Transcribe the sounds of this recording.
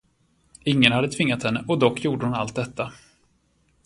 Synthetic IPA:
ɪŋːənhad̪ːət̪ʰvɪŋːat̪hɛnːəʔɔd̪ɔkːjuːɖəhʊnalt̪̚d̪ɛt̪ʰːa

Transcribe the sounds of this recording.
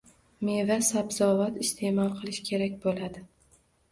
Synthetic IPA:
me̞vasabzɒvat̪ɪst̪ʰe̞mɒlˠqʰɨlˠɪʃkʲʰe̞ɾakʲbolad̪ɪ

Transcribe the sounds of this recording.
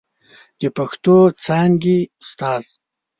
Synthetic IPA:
d̪̥epaxt̪ot͡sʰaːŋɡiʊst̪aːz̥

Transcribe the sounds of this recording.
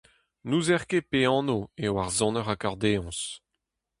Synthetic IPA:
nuzɛʁkepeɑ̃ːnoewaʁzɔ̃nəʁakaʁd̪eɔ̃s

